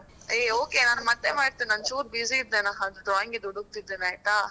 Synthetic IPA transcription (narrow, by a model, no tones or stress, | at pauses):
eːoːkeːnaːnmɐt̪ːemaːɾt̪innaːnt͡ʃuːɾbiziːd̪ːenaːɦd̪uɖ̪ɾaːjiŋɡed̪uɽuk̚t̪id̪ːeːnaːjʈ̪aː